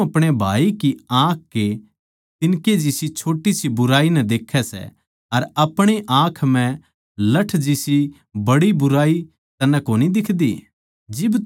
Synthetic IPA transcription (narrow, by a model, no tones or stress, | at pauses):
ɐpɽ̃ebʱaːikiãːkʰke | t̪ɪnked͡ʒisit͡ʃʰoːʈisibʊɾaːinɛd̪eːkʰːɛsɛ̰ | ɐɾɐpɽ̃eʔãːkʰm̤ɛ̃ | lɐʈʰd͡ʒisi | bɐɽibʊɾaːi | t̪ɐnːɛ̃koːnid̪ɪkʰd̪ḭː | d͡ʒɪb